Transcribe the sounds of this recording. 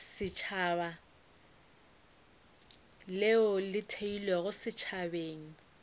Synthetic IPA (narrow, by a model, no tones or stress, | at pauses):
sɪt͡ʃʰaːba | lɪʊlɪtʰeilɛɣʊsɪt͡ʃʰabeːŋ̩